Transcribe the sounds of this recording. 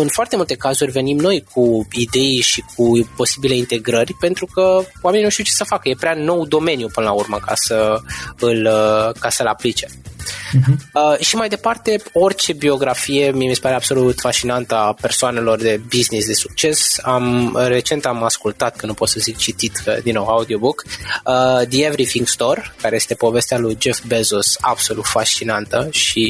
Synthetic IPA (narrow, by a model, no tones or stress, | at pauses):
ɨnfoart̪e̞mult̪e̞kazurʲve̞nimno̞jkʰuid̪e̞jʃik̚upo̞sibile̞int̪e̞ɡɾərʲpe̞nt̪ɾukəwameniuʃt̪iwut͡ʃe̞səfakəje̞pɾʲano̞wd̪o̞me̞njupɨnəlaurməka̰səɨləkasəɨlaplit͡ʃe̞ | ʃimajd̪e̞part̪e̞o̞rt͡ʃe̞bio̞ɡɾafije̞miemisə̥paɾe̞ab̥so̞lut̪fast͡ʃinant̪əape̞rsoane̞lo̞rd̪e̞biznisd̪e̞suk̚t͡ʃe̞samre̞t͡ʃe̞nt̪amaskult̪at̪̚kənupo̞t̪səzik̚t͡ʃit̪it̪əd̪inːowaud̪io̞bukəd̪ievɾifiŋɡst̪o̞rkaɾe̞je̞st̪e̞po̞ve̞st̪ealujd͡ʒe̞fbezusa̰b̥so̞lut̪fast͡ʃinant̪əʃi